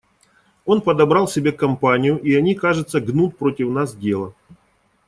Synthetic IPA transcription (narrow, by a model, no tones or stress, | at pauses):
o̞npəd̪ɐbɾɑlˠsʲɪbʲe̞kɐmpanʲɪjʊʔiɐnʲikaʐɨt̪səɡnut̪̚pɾo̞tʲɪfnasdʲe̞lˠə